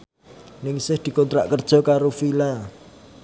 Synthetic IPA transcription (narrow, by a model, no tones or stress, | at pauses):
nɪŋsɪhd̪̥i̤kɔnt̪ɾa̰ʔkərd̥ʒ̥ɔ̤kaɾofila